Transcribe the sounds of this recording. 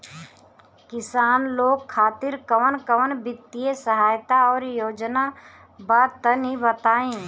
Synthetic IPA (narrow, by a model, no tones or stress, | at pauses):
kɪsaːnloːɡ̚kʰːaːt̪ɪɾkəʋənkəʋənbɪt̪ːiesəɦaːjt̪aɔːɾjoːd͡ʒna | baːd̪̚t̪ənĩbət̪aːẽː